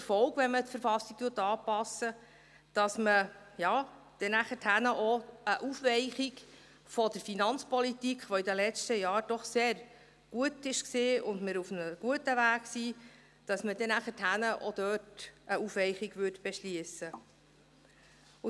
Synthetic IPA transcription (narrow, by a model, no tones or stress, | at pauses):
fɔʊkʋɛnmətfəɾfɑsːik̚t̪uːtɑːpɑsːə | d̥ɑsməjɑː | d̥ɛnæχəthænəʔoəʔufʋɛɪχik | fɔd̥əɾfinɑnt͡spɔlitikχʋɔidəlɛt͡ʃtəjɑːɾd̥ɔχseːɾ | ɡ̥uətɪʃksɪːʊndmɪɾufnəɡ̥uətəvæːksiː | d̥ɑsməd̥ɛnæχəthænəʔɔ̰d̥̪œːtəufʋɛɪχiɡʋʏɾtb̥ɛʃliəsə